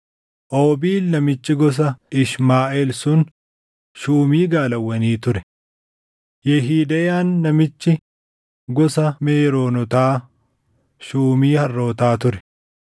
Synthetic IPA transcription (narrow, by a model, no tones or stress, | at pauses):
ʔoːbiːlnɐmɪt͡ʃːɪɡɔs̬ɐɪʃmaːʔeːlsʊn | ʃuːmiːɡaːlɐwːɐniːt̪ʊɾɛ | jɛɦiːd̪ɐjaːnːɐmɪt͡ʃːɪ | ɡɔsɐmeːɾo̞ːnɔt̪aː | ʃuːmiːhɐrːo̞ːt̪aːt̪ʊɾɛ̥